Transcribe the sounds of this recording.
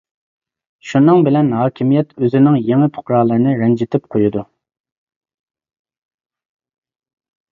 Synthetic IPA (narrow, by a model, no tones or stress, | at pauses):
ʃunɨŋbɪlɛnɦɑːkʲʰimijɛt̪ʰøzɪnɪŋjeŋɪpʰʊ̥qɾɑːlˠəɾɨnɨɾɛnd͡ʒɪt̪ʰɪp̚qʰojud̪u